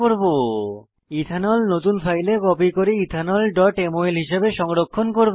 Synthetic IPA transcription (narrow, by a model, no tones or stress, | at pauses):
oɾbo | it̪ʰanɔlnot̪unfʰajleɡɔpikoɾiit̪ʰanɔlɖɔʈemoelɦiʃebeʃɔŋɾokʰːonkoɾb